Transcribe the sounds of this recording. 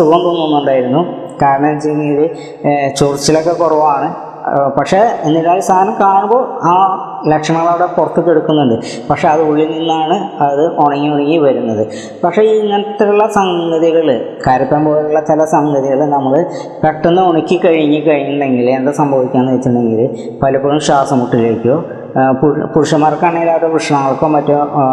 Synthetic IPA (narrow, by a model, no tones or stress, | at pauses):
suɣɐmt̪oːnːonːuuɳɖaːjiɾunːu | kaːɾɐɳɐmt͡ɕejnːiiðɨ | t͡ɕurit͡ɕːilo̞kːe̞korɐʋaːɳɨ | pɐkʂe̞inːiðaːlist̪ʰaːnɐmkaːɳumboːaː | lekʂɐmɐaʋiɽepurɐt̪ːukːeɽukːunːuɳɖɨ | pɐkʂeɐðɨuɭːininːaːɳɨɐðɨʔoɳɐŋːiuɳiŋːiʋɐɾunːɐðɨ | pɐkʂe̞iŋːɐnɐt̪ːiɾuɭːɐsɐŋɡɐðiɣɐɭkɐɾipːaːnpo̞ːluɭːɐt͡ɕilɐsɐŋɡɐðiɣɐɭnɐmːɐɭ | peʈːunːɨoɳikʲːikɐɻiɲːikɐɻiɲːuɳɖe̞ŋɡilend̪esɐmbʱɐʋikʲːaːneit͡ɕːuɳɖe̞ŋɡil | pɐlɐpːoɻumɕaːsɐmuʈːileːkʲːoː | pupuɾuʂɐmaːrkːɐɳːɐilːaːʈːɐpruʂɐɳɐŋːɐɭkːoːmɐtːo